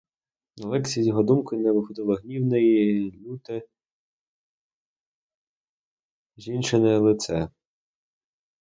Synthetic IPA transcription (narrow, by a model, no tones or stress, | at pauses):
nɐlˠɛksʲiizʲjɔɦɔd̪umkɪnɛʋɪxɔd̪ɪlˠɐɦnʲiwnejilʲut̪ɪ | ʒint͡ʃɪnɪlˠɪt̪sɛ